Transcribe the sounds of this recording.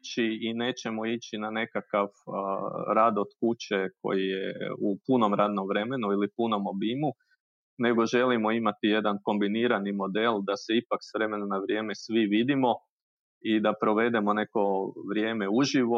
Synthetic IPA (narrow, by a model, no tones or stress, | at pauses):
t͡ɕiine̞ːt͡ɕe̞moit͡ɕinane̞kakaʋ | ɾaːd̪ot̪kut͡ɕe̞ko̞̰jijḛupuno̞mɾaːd̪no̞mʋɾe̞me̞nuilipuno̞mo̞bimu | ne̞ɡo̞ʒe̞limo̞imat̪ije̞d̪anko̞mbiniːɾanimo̞d̪e̞lˠd̪ase̞ipaksʋɾe̞me̞nonaʋɾje̞ːme̞sʋiʋid̪imo̞ | id̪apɾo̞ʋe̞d̪e̞mo̞ne̞ko̞ʋɾje̞ːme̞uʒiʋo